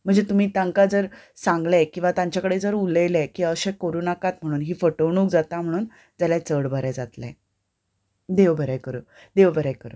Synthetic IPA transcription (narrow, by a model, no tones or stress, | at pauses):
m̤əɳd͡zet̪um̤iːt̪ãŋkad͡zəɾsãŋɡlakĩw̃ʋat̪aɲt͡ɕakəɽed͡zəɾuləjlɛkiəɕẽkəɾuːnakat̪m̤əɽ̃uːnɦiːfəʈəʋɳ̃uːk̚d͡zat̪am̤əɽ̃uːn | d͡zaljat͡səɽbʱəɾɛd͡zat̪lɛ̰ | d̪eʋbʱəɾakəɾəː | d̪eʋbʱəɾajkəɾə̰ː